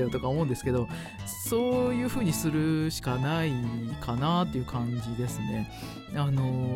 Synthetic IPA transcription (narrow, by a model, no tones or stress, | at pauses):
jot̪o̞kaomõːnd̪e̞sɨ̥ke̞d̪o̞ | so̞ːjɯ̟ːɸɯ̟ːɲ̟isɨɾɯ̟ɕi̥kanaikʰanat̪ːe̞jɯ̟kʰãɲd͡ʑid̪e̞sɨne̞ | ano̞